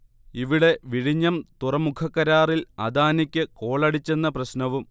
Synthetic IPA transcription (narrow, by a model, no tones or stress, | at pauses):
iʋiɽe̞ʋiɽiɲːɐmt̪urɐmukʰɐkːɐɾaːrilɐd̪aːnikʲːɨko̞ːɭɐɽit͡ɕːe̞nːɐprɐɕnɐʋum